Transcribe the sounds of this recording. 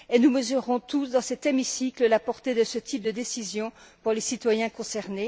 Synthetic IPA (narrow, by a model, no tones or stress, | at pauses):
enuməzyʁɔ̃t̪usd̪ɑ̃sɛt̪emisikləlapɔʁt̪ed̪əsət̪ʰip̚d̪əd̪esizjɔ̃puʁlesit̪wajɛ̃kɔ̃sɛʁne